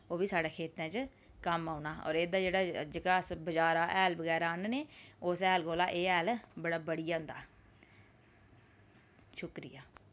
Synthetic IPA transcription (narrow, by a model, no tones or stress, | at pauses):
oːbiːsaːɽaːkʰeːt̪ɛ̃ːt͡ʃ | kəmaːʊnaːɔ̰ːɾeːd̪aːd͡ʒeːɽaːd͡ʒəkaːsbəd͡ʒaːɾaːʔɛːlbəɡɛːɾaːnːneːʊːsɛːlɡoːlaːʔeːɛːlbəɽaːbəɽijaːɦʊ̃nd̪a̰ː | ʃʊkɾɪ̰jaː